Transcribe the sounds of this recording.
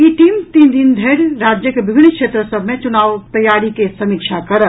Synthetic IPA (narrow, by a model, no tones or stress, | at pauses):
iʈiːmt̪iːnd̪ɪnd̪ʱeːɽɾaːd͡ʒjəkeʋɪbʱɪnːkʃeːt̪ɾəsəbʱmẽt͡ʃʊnaːʋt̪ɐjaːɾikesɐmiːkʃakɐɾə